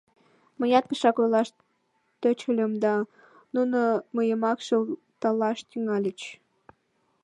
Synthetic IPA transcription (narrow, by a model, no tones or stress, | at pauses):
məjɑt̪̚pəʃɑkojlɑʃ | t̪øt͡ɕəlʲəmd̪ɑ | nunoməjəmɑkʃəl | t̪ɑlɑʃt̪yŋɑlʲət͡ɕ